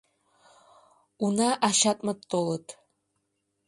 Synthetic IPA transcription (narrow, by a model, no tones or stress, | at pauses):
unaʔaʃatʼmatʰʼːolətʰʼ